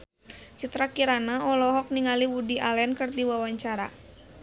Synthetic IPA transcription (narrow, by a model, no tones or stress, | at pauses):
t͡ʃit̪ɾakiɾanaɔlɔɦɔk̚niŋaliwudiʔalɛnkɨrdiwawaɲt͡ʃaɾa̰